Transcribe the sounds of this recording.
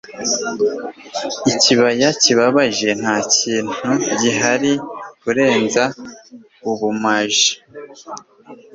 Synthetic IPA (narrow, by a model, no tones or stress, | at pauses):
iciβajaciβaβaʒe̞n̥haːciːn̥huɟiɦaɾikuɾe̞ːnza | uβumaʒi̥